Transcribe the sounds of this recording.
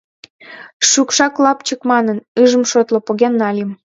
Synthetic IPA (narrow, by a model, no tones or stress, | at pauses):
ʃukʃɑklˠɑpt͡ɕəkmɑnənɯʒə̆mʃot̪lŏpoɣenːɑlʲim